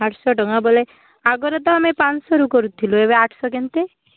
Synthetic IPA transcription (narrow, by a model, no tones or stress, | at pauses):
aʈʰsɔʈɔŋabole | aɡɔɾɔt̪ɔamepansɔɾukɔɾut̪ʰilueβeaʈʰsɔk̬ent̪e